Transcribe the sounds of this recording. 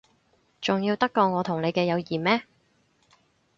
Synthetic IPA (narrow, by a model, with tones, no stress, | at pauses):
t͡sʊ˨ŋjiː˧wt̪ɐ˥kːɔː˧ŋɔː˨˧t̪ʰʊ˨˩ŋne˨˧jkɛː˧jɐ˨˧wjiː˨˩mmɛː˥